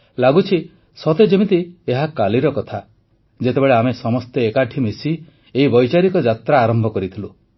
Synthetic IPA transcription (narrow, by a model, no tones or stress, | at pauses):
laɡut͡ʃʰi | sɔt̪ed͡ʒemit̪ieɦakaliɾɔkɔt̪ʰa | d͡ʒet̪ebeɭeamesɔmɔst̪eekaʈʰimisi | eibɔjt͡ʃaɾikɔd͡ʒat̪ɾaːɾɔmbʱɔkɔɾit̪ʰilu